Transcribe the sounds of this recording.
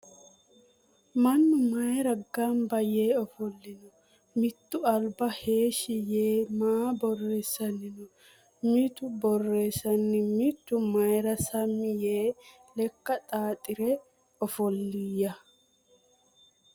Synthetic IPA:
mɐnːʊmɐjɾɐɡɐmbɐje̞ːɔfɔlːɪnɔ | mɪt̪ːʊɐlbɐhe̞ːʃɪjeːmaːbɔrːe̞ːsːɐnɪnɔ | mit̪ʊbɔrːe̞ːsɐnːɪmɪt̪ːʊmɐjɾɐsɐmːɪjeː | lɛkːɐt̪ʼaːt̪ʼɪɾɛ | ɔfɔlːijɐ

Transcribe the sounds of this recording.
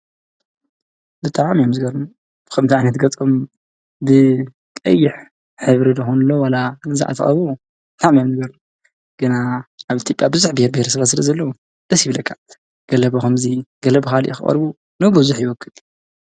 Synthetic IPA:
bɨt̪ʰʼaʕmijomzɨɡɐɾum | kʰɐmt̪ʰiʕajnɐt̪ɡɐt͡sʼom | bɨ | kʼɐ̰jːɪħ | ħɨβɾid̪ɨxunlːowalaɨza̰ʕʔa̰t̪ʰɐ̰χʼɐ̰βu | bɨt̪ʰʼaʕmijomzɨɡɐɾu | ɡ̥ɨnaʔaβit̪ʰjopʼjabɨzuħbɨheɾbihɾsɨβat̪sɨlɐzɐlːɐwu | d̪̥ɐsjiβlɐkʰːaʕt̪ | ɡ̥ɐlɐβoxɐmziɡ̥ɐlɐbxaliʔḭxɨχʼɐ̰ɾbu | nɨbuzuħjɪwɔkʰːɨl

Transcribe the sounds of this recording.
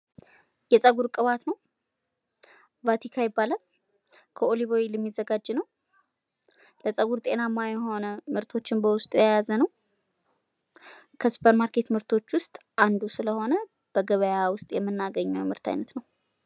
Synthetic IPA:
jɛsʼəɡuɾkʼɨβat̪nəw | vat̪ʰikʰajɪbːalən | kʰəolivo̞wilɛmːizːəɡad͡ʒːnəw | ləsʼəɡuɾt̪ʼe̞namːajɛɦo̞nəmɨɾt̪ʰo̞t͡ʃːɪnbəwʊst̪ʼujajazənəw | kʰəsu̥pʰəɾmaɾkʰe̞t̪mɨɾt̪ʰo̞t͡ʃːwʊst̪ʼ | ʔand̪usɨləho̞nə | b̥əɡəβəjawʊst̪ʼjɛmːɨnːaɡəɲːɛwjɛmɨɾt̪ʰa̰jnət̪nəw

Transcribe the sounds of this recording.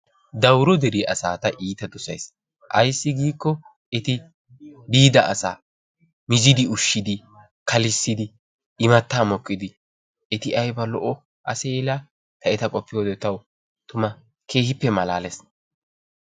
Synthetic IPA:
d̪ɐwɾɔd̪ɛɾiʔɐsaːt̪ɐʔiːt̪ɐd̪ɔsɐ̰js | ʔɐ̰jsːɪɡiːkːɔ | ɛt̪ɪ | biːd̪ɐʔɐsa̰ː | mɪzɪd̪ɪʊʃːɪd̪ɪ | kɐlɪsːɪd̪ɪ | ɪmɐt̪ːaːmɔkʼːɪd̪ɪ | ɛt̪ɪɐjbɐlɔʔɔ | ʔɐ̰seːlaː | t̪ɐɛt̪ɐkʼɔpːɪjoːd̪ɛt̪ːɐw | t̪ʊmɐ | kʰe̞ːhɪpːɛmɐla̰ːlɛs

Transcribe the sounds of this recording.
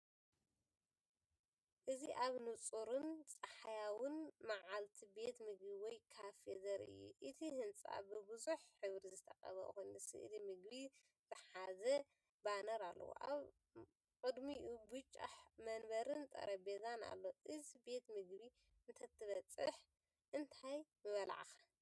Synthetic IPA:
ʔɨziʔaβnɨt͡sʼuɾɨnt͡sʼɐħajawɨnmaʕalt̪ʰibe̞t̪mɨɡbiwɔjkʰafezɐɾɨ̰jːṵʔɨt̪ʰihɨnt͡sʼa̰bɨbɨzuħːɨβɾizɨt̪ʰɐxʼɐ̰βɐ̰ʔxonɨsɨ̰ʔɨlimɨɡbi | zɨħazɐ | banɐɾalːɐ̰wo̰ʔaβ | kʼɨd̪miʔubɨt͡ʃʼːa̰ħmɐnbɐɾɨnt̪ʼɐ̰ɾɐbezana̰lːo̞ʔɨzibe̞t̪mɨɡβi | ɨnt̪ʰɐt̪ʰːɨβɐt͡sʼɨħ | ʔɨnt̪ʰajmɨβɐla̰ʕaxḁ

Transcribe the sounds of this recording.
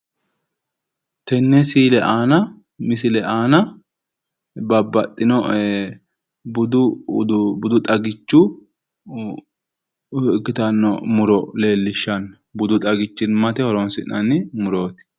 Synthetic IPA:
t̪ɛnːɛsiːlɛʔaːnɐ | mɪsɪlɛʔaːnɐ | bɐbːɐt̪ʼːɪnɔ | bʊd̪ʊd̪bʊd̪ʊt̪ʼɐɡɪt͡ʃːʊ | kːɪt̪ɐnːɔmʊɾɔle̞ːlːɪʃːɐn | bʊd̪ʊt̪ʼɐɡɪt͡ʃːɪnmɐt̪ɛhɔɾɔnsɪnːɐnːɪmʊɾo̞ːt̪ɪ̥

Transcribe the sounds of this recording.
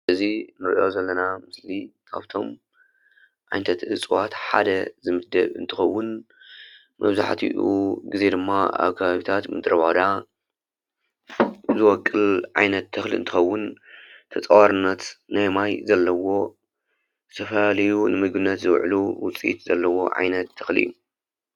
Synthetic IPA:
ʔɨzinɨɾiʔo̞zɐlːɐnamɨslikʰa̰βt̪ʰo̞m | ʕa̰jnt̪ʰɐt̪ɨt͡sʼɨwat̪ħa̰d̪ɐzɨmɨd̪ɐβɨ̰nt̪ʰɨxɐwːʊn | mɐ̰βza̰ħt̪ʰiʔuɡize̞d̪ɨmːaa̰βkʰɐβaβit̪ʰat̪mɨd̪ɨɾɐβad̪a | zɨwɔkʼːɨlʕajnɐt̪ʰːɨxlḭɨnt̪ʰɨ̥xɐwːʊnt̪ʰɐt͡sʼɐwaɾɨnːɐt̪najmajzɐlːɐwo̞ | ɨ̥t̪ʰɐfɐlalɐjunɨmɨɡbɨnːɐt̪zɨwʕluwʊt͡sʼḭt̪zɐlːɐwo̞̰ʕa̰jnɐt̪ʰːɨxlḭjːu

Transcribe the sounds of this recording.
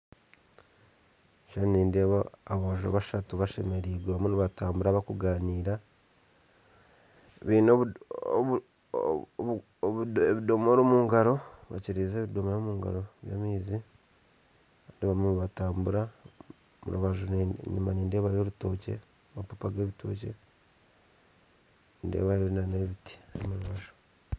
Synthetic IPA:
ʃaniːndeβaaβoːʒo̰βaʃatuβaʃe̞̰me̞ɾiɡweβamuniβataːmbuɾaβakuɡaːniːɾa | eβiːno | βeβido̞moːɾimuːŋɡaɾo̞βa̰ciɾiːze̞ːβido̞moɾimuːŋɡa̰ɾo̞βja̰ːmiːzi | kaːndiβamumβataːmbuɾa | mṵɾuβaʒonɲṵmaniːnde̞ːβajoɾuto̞ce̞̰ | mapopaɡeːβitʰo̞̰ːce̞̰ | nde̞̰ːβajoɾunaneβiti̥omuɾuβaʒo̥

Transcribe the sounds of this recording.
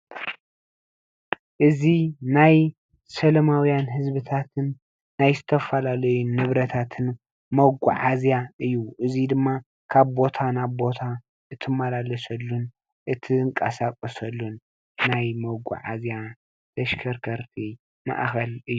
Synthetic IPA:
ʔɨzinaj | sɐlɐmawjanɦɨzβɨt̪ʰat̪ʰɨnː | ajzɨt̪ʰɐfalalɐjunːɨβɾɐt̪ʰat̪ʰɨn | mɐɡṵʕazjaʔɨjːuʔɨzid̪ɨmːa | kʰaβbo̞t̪ʰanaβbo̞t̪ʰa | ʔɨt̪ʰɨmːalalɐsɐlːun | ʔɨt̪ʰiɨŋkʼɐsakʼɐsɐlːunː | ajmɐɡʷṵʕa̰zja | d̪ɐʃkʰɐɾkʰɐɾt̪ʰi | ma̰ʔxɐlɨjːu

